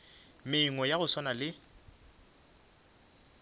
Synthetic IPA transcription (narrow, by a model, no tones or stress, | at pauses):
mɪiŋɔjaɣʊswanalɪ